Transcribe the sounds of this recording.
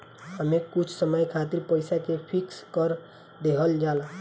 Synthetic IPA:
həmekut͡ʃʰsəməjkʰat̪iɾpəjsakepʰikskəɾ | d̪eɦəld͡ʒala

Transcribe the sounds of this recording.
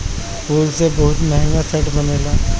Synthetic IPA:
puːlsebɐɦʊt̪mɛɦŋɡat͡ʃʰɐʈbɐneːlaː

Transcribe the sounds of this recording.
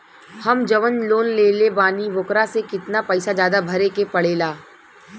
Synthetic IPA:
hɐmd͡ʒɐʋənloːnleːlebaːniʋʊkɾasekɪt̪napɛɪsad͡ʒjaːd̪abʱɐɾekepɐɽeːlaː

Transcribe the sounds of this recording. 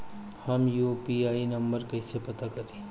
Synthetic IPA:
hɐmjupiaːinɐmbəɾkɐɪsepɐt̪akɐɾĩː

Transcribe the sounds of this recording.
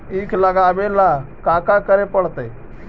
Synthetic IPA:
ikʰləɡaʋelakakakəɾepəɽt̪əj

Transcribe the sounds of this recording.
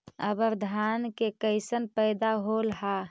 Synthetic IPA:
ə̰bəɾd̪ʱankekəɪsənpəɪd̪aɦolɦa

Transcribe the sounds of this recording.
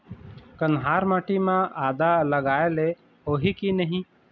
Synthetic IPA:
kənɦaːɾmaːʈimãaːd̪aləɡaːele | ɦoːɦikinəɦĩ

